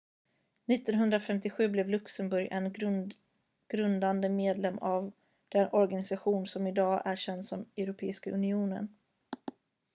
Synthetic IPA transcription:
nɪt̪ːɔnɦɵnd̪ɾafɛmt̪ɪɧʉ̟ːblɛvlɵksəmbɵɾjʔɛ̰n | ɡ̥ɾɵnd̪and̪əmeːd̪lɛmːav | d̪̥ɛnɔɾɡanɪsaɧuːnsɔmɪd̪ɑːʔæɕɛnd̪sɔmɛwɾʊpʰḛːɪskaʔɵnɪuːnə̰n

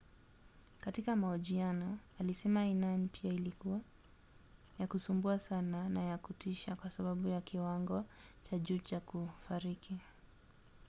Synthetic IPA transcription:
katikamaɔʄianɔalisɛmainanpiailikua | jakusumbuasananajakutiʃakwasaɓaɓujakiwaŋɡɔt͡ʃaʄuːt͡ʃakufaɾikʰi

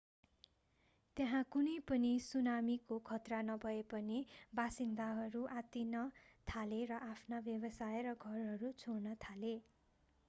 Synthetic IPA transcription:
t̪jaɦãkunʌjpʌnisunamikokʰʌt̪ranʌbʱʌepʌnibasind̪aɦʌɾuʔat̪inʌ | t̪ʰaleɾʌʔapʰnabjʌbʌsajeɾʌɡʱʌrɦʌɾut͡sʰornʌt̪ʰale

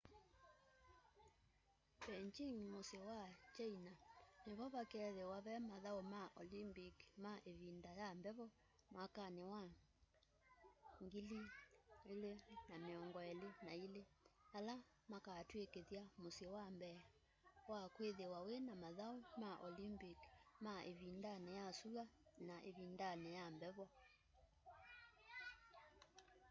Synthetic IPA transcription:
bɛɲt͡ʃiŋmosewat͡ʃainaneβɔβakɛðewaβɛmaðaomaʔɔlimbikmaʔeβindajambɛβɔ | makanewa | ŋɡilielenameɔŋɡɔɛlenaileala | makatwekeðjamosewambɛ | wakweðewawenamaðaumaʔolimbikmaʔeβindanɛjasulanaʔeβindanɛjambɛβɔ

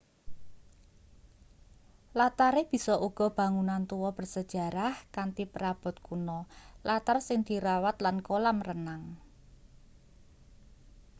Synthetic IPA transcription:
lat̪aɾeb̥i̤sɔʔuɡ̥ɔ̤b̥ä̤ŋunant̪uwɔb̥ərsəd̥ʒ̥a̤ɾahkant̪ipəɾab̥ɔ̤t̪̚kunɔlat̪arsɪŋd̪̥i̤ɾawat̪lankolamrənaŋ

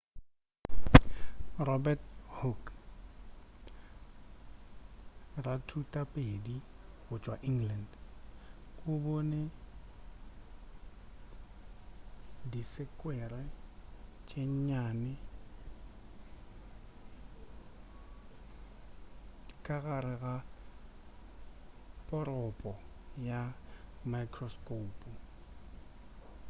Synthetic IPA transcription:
rɔbɛthuk | ratʰutʼapʼediɣʊt͡ʃʼwaʔiŋɡland | kʼʊbɔne | disɪkʼwɛɾɛ | t͡ʃʼeɲɲanɪ | kʼaɣaɾɛɣa | pʼɔɾɔpʼɔjamajkʰʼrɔskʼoːpʼu

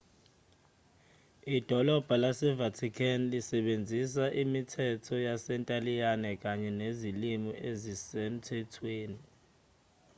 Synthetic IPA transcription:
id̥ʱɔlɔb̥ʱalasɛvatʰikʰanlisɛɓend͡zʱis̬aʔimitʰɛtʰɔjasɛntʼalijanɛk̬ʼaɲɛnezilimiʔezisem̩tʰɛtʰweːni

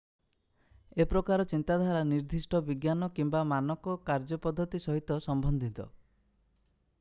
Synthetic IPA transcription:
epɾɔkaɾɔt͡ʃint̪ad̪ʱaɾaniɾd̪ʱisʈɔbiɡjanɔkimbamanɔkɔkaɾd͡ʒɔpɔd̪ʱːɔt̪isɔɦit̪ɔsɔmbɔnd̪ʱit̪ɔ̰

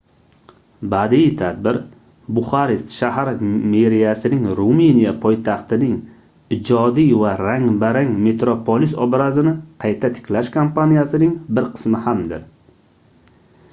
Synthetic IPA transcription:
bad̪it̪ʰad̪̚bɪɾ | bʊχaɾist̪ʃaɦaɾmeɾijasɪnɪŋɾuminijapʰɒjt̪ʰɑχt̪ɪnɪŋ | ɪd͡ʒɒd̪ijvaɾaŋbaɾaŋme̞t̪ɾopʰolisɒbɾazɪnɪqʰɑjt̪ʰat̪ʰɪ̥kʲlaʃkʰompʰanijasɪnɪŋbɪɾqʰɨ̥smɪhamd̪ɪɾ

